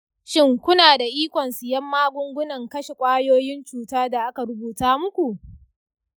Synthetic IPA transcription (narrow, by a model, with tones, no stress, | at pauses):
ʃɪ˦ŋkʷʊ˦naː˨da˨ʔiː˦kʷɔ˨nsɪ˨jɐ˦mːaː˦ɡʷʊ˦ŋɡʷʊ˦nɐ˨ŋkɐ˦ʃe˨kʷʼaː˦joː˦jɪ˦nt͡ʃuː˨taː˦da˨ʔa˦ka˨ɾʊ˦buː˨taː˦mʊ˦kʷu˨ʔ